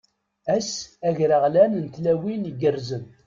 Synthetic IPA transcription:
æsæʝɾəʁlænənt̪læwiliɡərzən

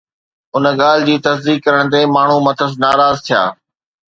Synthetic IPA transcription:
ʊnə̆ɡaːl̤ɪd͡ʑiːt̪ɐsd̪iːk̚kːɐɾəɽ̃t̪eːmaːɳ̤umɐt̪ʰəsnaːɾaːzt̪ʰija̰ː

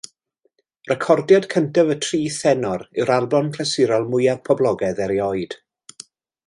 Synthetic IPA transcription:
rɛkʰɔrdjadkʰəntavətʰriːθɛnɔɾɪwɾalˠbɔnkʰlɛsɪɾɔlˠmʊjav̥pʰɔblˠɔɡɛðɛɾjɔɨd̥

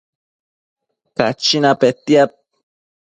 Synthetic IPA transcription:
ka̰t͡ʃinapet̪iap̚

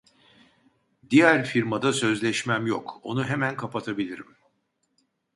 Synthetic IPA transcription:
d̪ijæɾfiɾmad̪asø̞zlʲɛʃmæmjo̰ko̞̰nuɦemænkʰapʰat̪ʰabilʲiɾim

